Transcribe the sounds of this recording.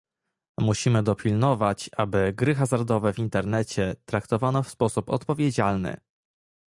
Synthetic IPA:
muɕimɘd̪ɔpʲilnɔvat͡ɕabɘɡɾɘxazaɾd̪ɔvɛvʲint̪ɛɾnɛt͡ɕɛt̪ɾakt̪ɔvanɔfspɔsupɔ̰t̪pɔvʲjed͡ʑalnɘ̰

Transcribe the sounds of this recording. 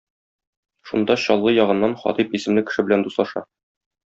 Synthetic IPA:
ʃund̪ɑɕɒlˠːɤjɒʁɤ̆nːɑnχɒ̰t̪ipisɘ̆mlɘkɘ̆ʃɘbɘ̆lænd̪uslˠɑʃɑ̰

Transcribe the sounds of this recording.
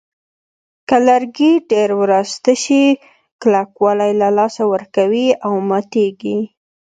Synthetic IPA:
kalaɾɡiɖeɾwɾast̪əʃi | klakwɑlajlalɑsawəɾkawiawmɑt̪eɡi

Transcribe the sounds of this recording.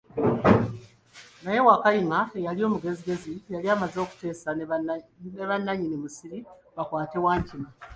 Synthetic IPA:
naje̞wakaimaejalio̞ːmuɡe̞ziɡe̞zijaliaːmazo̞ːku̥te̞ːsa | neβanːaɲinimusiɾiβakwaːte̞waːɲcima

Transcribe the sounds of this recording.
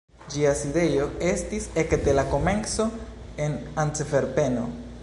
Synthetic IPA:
d͡ʒiaside̞jo̞e̞stise̞kde̞lako̞me̞nso̞e̞nant͡sefe̞ɾpe̞no̞

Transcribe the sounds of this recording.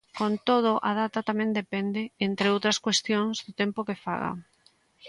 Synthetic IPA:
kont̪oð̞ʊʔaðat̪at̪amɛ̃nd̪epɛnd̪ɪent̪ɾeowt̪ɾɐskwest̪joŋzðʊt̪empokefa̰ɣa̰

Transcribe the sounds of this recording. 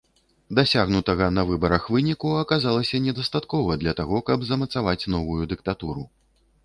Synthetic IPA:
d̪asʲaɣnut̪ɐɣɐnɐvɨbɐɾɐxvɨnʲikuɐkazalˠɐsʲɐnʲɛd̪ɐst̪at̪kɔvɐd̪lʲɐt̪aɣɔkɐbzɐmɐt̪savat͡sʲn̪ɔvujud̪ɨkt̪at̪uɾu

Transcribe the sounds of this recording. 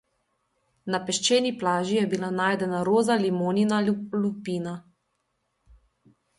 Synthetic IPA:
napɛʃt͡ʃeːniplaːʒijɛbilanaːjd̪ɛnaɾoːzalimoːninalupiːna

